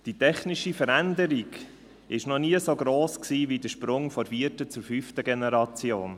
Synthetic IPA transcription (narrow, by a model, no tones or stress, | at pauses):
d̥itɛχnɪʃifəɾænd̪əɾiɡ | ɪʃnɔniəsoɡɾoːsksiːvidəʃpɾʊŋfɔɾfiətət͡sʊɾfyftəɡenɛɾɑt͡sjoːn